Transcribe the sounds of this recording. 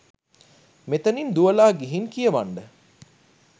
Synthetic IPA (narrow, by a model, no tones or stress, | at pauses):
met̪ənind̪uəlaːɡiɦiŋkijəʋaɳɖə